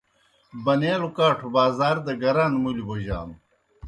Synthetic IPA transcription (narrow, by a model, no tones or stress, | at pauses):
bɐneːɾukaːʈʰubaːzaːɾd̪ɐɡɐɾaːnmuliboʑa̰ːn